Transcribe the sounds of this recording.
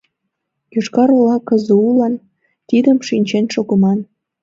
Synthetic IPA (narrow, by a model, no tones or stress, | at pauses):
juʃkɑɾolɑkəzəulɑn | t̪id̪əmʃinʲt͡ɕenʃoɣə̆mɑn